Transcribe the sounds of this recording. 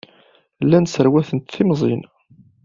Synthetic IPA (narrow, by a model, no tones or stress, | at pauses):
lːænsəɾwæθənt̪θimzˤḭn